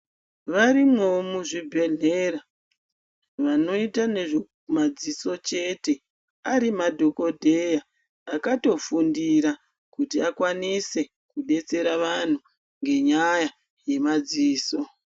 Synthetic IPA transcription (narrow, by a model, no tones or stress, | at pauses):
ʋarimo̞omuʐibʱe̞ɮeɾa | ʋano̞itane̞ʐo | mad͡ziso̞t͡ʃe̞te̞ | aɾimadʱo̞ko̞dʱe̞jaː | kato̞fundiɾa | kutiakwanise̞ | kuɗe̞t͡se̞ɾaʋan̤u | ŋɡe̞ɲaja | je̞mad͡ziːso̞